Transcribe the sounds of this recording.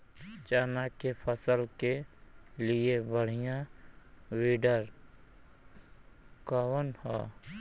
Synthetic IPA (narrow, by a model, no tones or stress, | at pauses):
t͡ʃaːnakepʰəsəlke | liebəɽ̤ijã | wiːɖəɾ | kaːwənhɔ̰ː